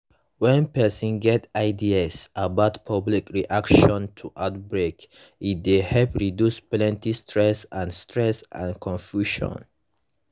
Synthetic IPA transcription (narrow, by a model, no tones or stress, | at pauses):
wɛ̃npɛsɔ̃nɡɛtaɪdiasabaʊtpʰʌblikɹiʔakʃɔ̃ntʰuʔaʊt̚bɹek | it̚dehɛlpɹidjusplɛ̃ntistʰɹɛsãnstʰɹɛsã̰nkʰɔ̃nfjuʃɔ̰̃n